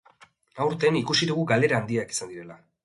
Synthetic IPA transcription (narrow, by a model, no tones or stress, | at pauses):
awɾt̪e̞nikusiðuɣuɡale̞ɾaːnd̪iaki̥sand̪iɾe̞la